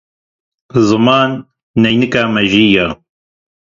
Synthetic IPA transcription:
zɨmaːnː | ɛjnɨkaːmɛʒiːjaː

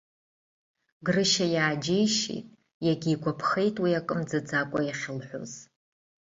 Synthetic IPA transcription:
ɡrɨʃajaːd͡ʒejʃḛjtʼ | jaɡʲiːɡʷʰapʰχejtʼwiakʼɨmd͡zɨd͡zakʷʼajaχʲɪlħʷᶣo̰z̥

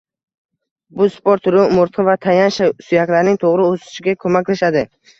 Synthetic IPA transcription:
bʊspoɾt̪ʰʊɾumʊɾt̪qʰɨvat̪ʰajanʃasʊjakʲlaɾnɪŋt̪ʰoʁɾɪosɪ̥ʃɪɡʲakʰɵmakʲlaʃad̪ɪ

